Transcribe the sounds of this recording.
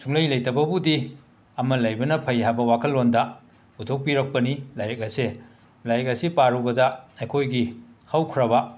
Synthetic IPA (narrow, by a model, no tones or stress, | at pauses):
suŋlɐjlɐjtɐbɐbudi | ɐmɐlɐjbɐnɐpʰɐjɦajbɐwakʰɐlːondɐ | utʰok̚piɾɐk̚pɐnilajɾɐk̚ɐse | lajɾɐk̚ɐsipaɾubɐdɐɐjkʰojɡihɐwkʰɾɐbɐ